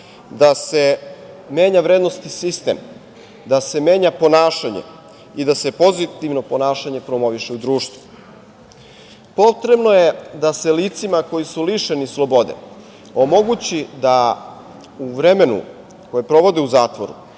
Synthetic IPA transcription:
d̪ase̞ | me̞ːɲaʋɾeːd̪nost̪isist̪e̞̰m | d̪ase̞me̞ːɲapo̞naːʃaɲḛ | id̪ase̞po̞zit̪iʋno̞po̞naːʃaɲe̞pɾo̞mo̞ʋiʃeud̪ɾuːʃt̪ʋu̥ | po̞t̪ɾe̞bno̞je̞d̪ase̞lit̪simako̞jisuliʃenislo̞bo̞d̪e̞̰ | omo̞ɡut͡ɕid̪a | uʋɾeme̞nṵ | ko̞jepɾo̞ʋo̞d̪euzaːt̪ʋoɾṵ

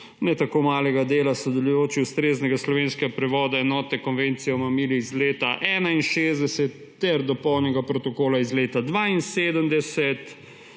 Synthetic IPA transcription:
nɛt̪akomaːlɛɡad̪eːlasɔd̪ɛlujoːt͡ʃiust̪ɾeːznɛɡaslɔʋeːnskɛɡapɾɛʋɔːd̪aɛnɔːt̪ɛkɔnʋent̪sijɛɔmamiːliizleːt̪aʔɛːnainʃeːzd̪ɛsɛt̪ːɛɾd̪ɔpɔwnɛɡapɾɔt̪ɔkoːlaizleːt̪ad̪ʋaːinseːd̪əmd̪ɛsɛt̪

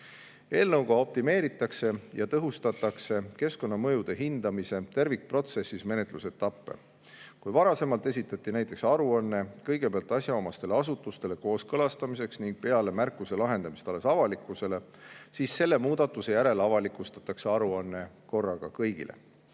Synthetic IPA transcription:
e̞ːlnɤwɡ̥ɑo̞p̚t̪ime̞ːɾit̪ːˑɑkse̞jɑt̪ɤɦust̪ɑt̪ːˑɑkse̞ke̞sko̞nːɑmɤjud̪̥e̞ɦind̪ɑmise̞t̪e̞rvik̚pro̞t̪se̞sːisme̞ne̞t̪ˑluse̞t̪ːɑpːe̞̰ | kujvɑɾɑse̞mɑlt̪e̞sit̪ːˑɑt̪ːˑinæjt̪ːˑe̞ksɑɾuɑnːe̞kɤjɡ̥e̞peɑlt̪ːˑɑsʲjɑomɑst̪e̞leɑs̬ut̪ːˑust̪e̞le̞ko̞ːskɤlɑst̪ɑmise̞ksniŋɡ̥̚pe̞ɑle̞mærkːˑuse̞lɑɦe̞nd̪ɑmist̪ɑle̞sɑvɑlikːˑuse̞le̞ | siːsːe̞lːe̞muːd̪ɑt̪ːˑuse̞jæɾe̞lɑvɑlikˑust̪ɑt̪ːˑɑkse̞ɑɾuɑnːe̞ | ko̞rːɑɡ̥ɑkɤjɡ̥ḭlʔḛ

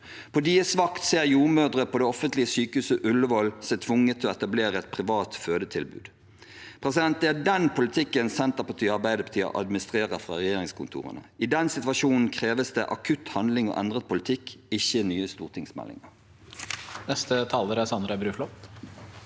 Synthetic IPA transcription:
pʰɔd̪iːəsʋɑkt̪seːʁjuːʁmœːd̪ʁəpʰɔd̪ɛɔfənt̪lɪəsyːkəhʉːsəʔʉləʋɔlsɛɪt̪ʰʋʊŋːət̪ʰːɪlɔɛt̪ɑbleːɾəɛt̪̚pʰʁɪʋɑːt̪føːd̪ət̪ʰɪlbʉ̰ːd̪̥ | pʰʁɛsɪd̪ɛnt̪̩æd̪ɛnpʰʊlɪt̪ʰɪkːənsɛnt̪ɑpɑt̪ʰyːɑʁbæɪd̪əpʰɑt̪ʰiːɑ̰ʔɑ̰d̪mɪnɪst̪ʁeːʁəfʁɑ̰ːʁɛjeːɾɪŋskʰʊnt̪ʰṵːʁə̰nə̰ɪd̪ɛnsɪt̪ʋɑʃuːnn̩kʰʁeːʋəsd̪ɛʔɑkʰʉt̪hɑnd̪lɪŋo̰ːʔɛnd̪ʁət̪̚pʰʊlɪt̪ʰɪkɪçːənyːəst̪uːʁt̪ʰɪŋsmɛ̰lːɪ̰ŋəʁ | nɛst̪ət̪ʰɑːləɾəsɑnd̪ɾəbɾʉːflɔt̪

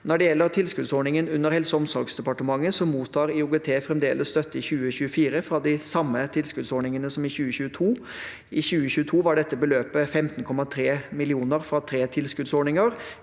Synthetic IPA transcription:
nɔɖɛjɛlːəɾt̪ʰɪlskʉd̪sɔːɳɪŋənʉnːəɾhɛlsəɔmsɔɾɡsd̪ɛpɑʈəmɑŋːəsɔmuːt̪ʰːɑːɾɪʊɡɛt̪ʰeːfɾɛmd̪eːlʔəsst̪œt̪ːəɪçʉːəɕʉːəfiːɾəfɾɑd̪ɪsɑmːət̪ʰɪlskʉd̪sɔɳɪŋənəsɔmɪçʉːəçʉːət̪ʰuː | ɪçʉːəçʉːət̪ʰuːʋɑɖɛt̪ːəbəløːpəfɛmt̪nkʰɔmɑt̪ʰɾeːmɪlɪuːnəɾfɾɑt̪ʰɾeːt̪ʰɪlskʉd̪sɔɳɪŋəɾ

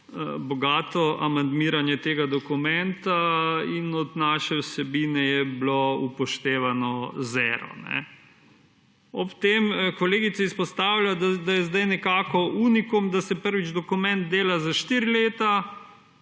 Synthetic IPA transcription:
əbɔɡaːt̪ɔʔamand̪miːɾanjɛt̪eːɡad̪ɔkumɛnt̪ainɔd̪naːʃɛwsɛbiːnɛjɛbloupɔʃt̪eːʋanɔzɛːɾɔ̰nɛ̰ | ɔpt̪emkɔleːɡit̪sɛispɔst̪aːwljad̪d̪ajɛzd̪ajnɛkaːkɔuːnikumd̪asɛpəɾʋid͡ʒd̪ɔkumɛnd̪̚d̪eːlazaʃt̪iːɾileːt̪a

